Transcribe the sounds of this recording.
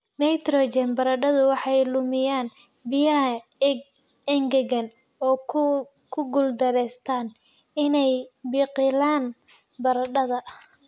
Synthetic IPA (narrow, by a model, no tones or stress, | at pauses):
nɛjt̪rɔːt͡ʃɛnbɐɾɐɖɐðʊwɑħɑjlʊmɪjaːn | bɪjɐɦɐɡ | ɛŋɡɐɣɐn | ɔː | kʰʊɡʊld̪ɐɾɛːst̪ʰaːn | ɪnɛjbiːqɪlaːn | bɐɾɐɖɐðɐ